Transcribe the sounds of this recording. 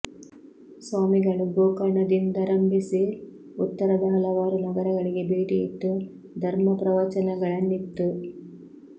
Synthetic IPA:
saːmiɡɐɭuɡoːkɐɳɐd̪ind̪ɐɾɐmbʱisi | ut̪ːɐɾɐd̪ɐɦɐlɐʋaːɾunɐɡɐɾɐɡɐɭiɡe̞beːʈiit̪ːu | d̪ʱɐɾmɐpɾɐʋɐt͡ʃɐnɐɡɐɭɐnːit̪ːu

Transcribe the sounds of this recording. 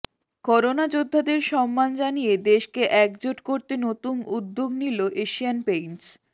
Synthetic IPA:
kɔɾonad͡ʑod̪ʱːad̪eɾʃɔmːand͡ʑanijed̪eʃkeʔɛkd͡ʑoʈkoɾt̪enot̪unud̪ːoɡniloʔeʃianpejnt͡ɕ

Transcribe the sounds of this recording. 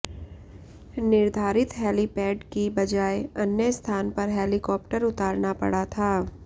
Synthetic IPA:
nɪɾd̪ʱaːɾɪt̪ɦɛːlipɛːɖkibɐd͡ʒaːeɐnjəst̪ʰaːnpɐɾɦɛːlɪkɔːp̚ʈəɾʊt̪aːɾnapɐ̰ɽat̪ʰaː

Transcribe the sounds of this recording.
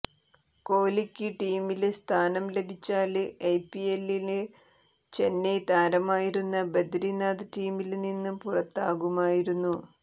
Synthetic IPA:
ko̞ːlikʲːɨʈiːmilst̪ʰaːnɐmle̞bʱit͡ɕːaːlɨejpːielːinɨ | t͡ɕe̞nːet̪aːɾɐmaːjiɾunːɐbed̪ɾinaːd̪ɨʈiːmilninːumpurɐt̪ːaːɣumaːjiɾunːu

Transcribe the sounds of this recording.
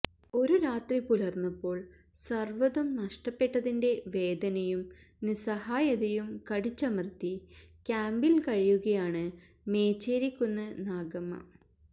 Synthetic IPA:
o̞ɾuɾaːt̪ripuɭɐrnːupːo̞ːɭ | sɐrʋɐðɐmnɐʂʈɐpːe̞ʈːɐðinde̞ʋe̞ːd̪ɐnɐjum | nisɐhaːjɐðɐjumkɐɽit͡ɕːɐmrɨt̪ːikʲaːmbilkɐɻijuɣɐjaːɳɨ | me̞ːt͡ɕːeːɾikʲːunːɐnaːɡɐmːɐ̰

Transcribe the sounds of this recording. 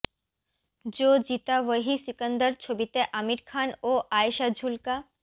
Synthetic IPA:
d͡ʑod͡ʑit̪aʋəɦisikənd̪əɾt͡ɕʰobit̪eʔamiɾkʰanoʔaeʃad͡ʑʱulka

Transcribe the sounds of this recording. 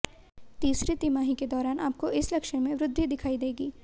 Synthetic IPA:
t̪iːsɾit̪iːmaːɦiked̪ɔːɾaːnʔaːp̚koɪslɐkʃəmẽʋɾʊd̪ʱːid̪ɪkʰaːid̪eːɡiː

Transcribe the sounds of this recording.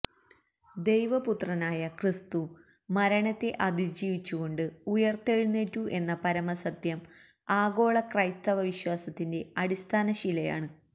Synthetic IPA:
d̪e̞jʋɐput̪rɐnaːjɐkrist̪u | mɐɾɐɳɐt̪ːe̞ʔɐd̪ʱid͡ʑiːʋit͡ɕːuɣo̞ɳɖɨujɐrt̪eɻunːetːuʔe̞nːɐpɐɾɐmɐsɐt̪jɐm | aːɡo̞ːɭɐkrɐjst̪ɐʋɐʋiɕwaːsɐt̪ːinde̞ɐɽist̪ʰaːnɐɕilɐja̰ːɳɨ

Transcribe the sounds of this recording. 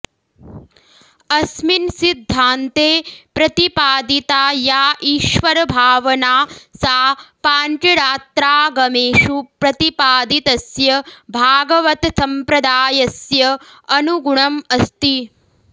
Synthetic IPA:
ɐsminsid̪ʱːaːnt̪eːpɾɐt̪ipaːd̪it̪aːjaːʔiːʃʋɐɾɐbʱaːʋɐnaːsaːpaːnʈɐɽaːt̪ɾaːɡɐmeːʃupɾɐt̪ipaːd̪it̪ɐsjɐbʱaːɡɐʋɐt̪sɐmpɾɐd̪aːjɐsjɐ | ɐnuɡuɳɐmɐst̪i

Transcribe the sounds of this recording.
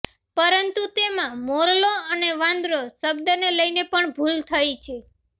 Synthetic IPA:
pəɾənt̪ut̪emãmoɾloəneʋãnd̪ɾosəbd̪əneləjnepəɳbʱult̪ʰəjt͡ʃʰe

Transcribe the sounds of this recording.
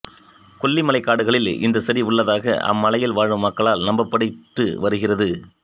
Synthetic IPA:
kɔɭːimɐlɐɪkːaːɽɯɣɐɭɪlɪ̰nd̪ɐsɐɾiʊɭːɐðaːɣɐ̰ʔɐ̰mːɐlɐjɪlʋaːɻʋɯmːɐkːɐɭaːlnɐmbɐpːɐɽɪʈrɯ̰ʋɐɾɯɣɪrɐðɯ

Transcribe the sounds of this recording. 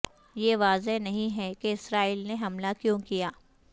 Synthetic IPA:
jeʋaːzeɦnɐɦĩɦɛkeɪsɾaːiːlneɦɐmlakjõːkijaː

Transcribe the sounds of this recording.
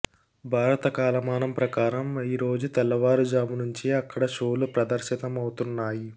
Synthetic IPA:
bʱaːɾɐt̪ɐkaːlɐmaːnɐmpɾɐkaːɾɐmiɾo̞ːd͡ʒut̪ɛlːɐʋaːɾud͡ʒaːmunuɲt͡ʃiɐkːɐɽɐʃoːlupɾɐd̪ɐɾʃit̪ɐmɐwut̪unːaːji

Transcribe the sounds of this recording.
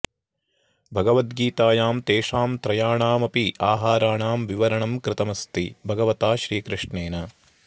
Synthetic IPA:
bʱɐɡɐʋɐt̪ɡiːt̪aːjaːmt̪eːʂaːmt̪ɾɐjaːɳaːmɐpiʔaːɦaːɾaːɳaːmʋiʋɐɾɐɳɐmkɾɪt̪ɐmɐst̪ibʱɐɡɐʋɐt̪aːʃɾiːkɾɪʂɳeːnɐ

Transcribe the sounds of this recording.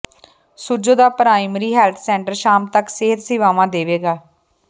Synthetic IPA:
sʊd͡ʒoːd̪aːpəɾaːiːməɾiːɦɛːlt̪ʰsɛːɳʈəɾʃaːmt̪əkseːɦət̪sɪʋaːʋãːd̪eːʋeːɡaː

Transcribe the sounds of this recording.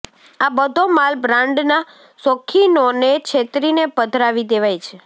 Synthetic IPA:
abəd̪ʱomalbɾãɳɖna | sõkʰːinonekt͡ʃʰet̪ɾinepəd̪ʱɾaʋid̪eʋajt͡ʃʰe

